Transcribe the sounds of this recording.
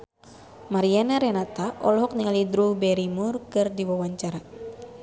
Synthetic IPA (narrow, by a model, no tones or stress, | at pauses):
maɾianaɾɛnat̪aʔɔlɔɦɔk̚niŋalidɾubɛɾimurkɨrdiwawaɲt͡ʃaɾa